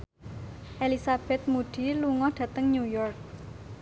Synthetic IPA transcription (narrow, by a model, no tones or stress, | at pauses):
ʔelisab̥ɛt̪̚muɖ̪̥i̤luŋɔɖ̥ä̤t̪əŋɲujɔrk̚